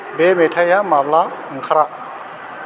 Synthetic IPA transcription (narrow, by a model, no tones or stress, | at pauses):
bemetʰajamablaɯŋkʰaɾaʔ